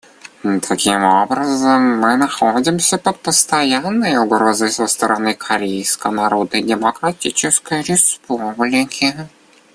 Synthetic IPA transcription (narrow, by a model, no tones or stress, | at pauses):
t̪ʰɐkʲimobɾəzəmːɨnɐxodʲɪmsʲəpəpəst̪ɐjanːəjʊɡɾozəjsəst̪əɾɐnɨkʰɐɾʲejskənɐɾo̞d̪nədʲɪməkɾɐtʲit͡ɕɪskəjɾʲɪspublʲɪkʲʰɪ